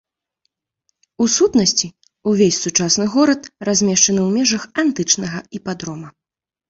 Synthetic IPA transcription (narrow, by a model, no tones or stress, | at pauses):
usut̪nɐsʲt͡sʲi | uvʲesʲsut͡ʂasnɨɣɔɾɐt̪razʲmʲɛʂt͡ʂɐnɨwmʲɛʐɐxant̪ɨt͡ʂnɐɣɐipad̪ɾɔmɐ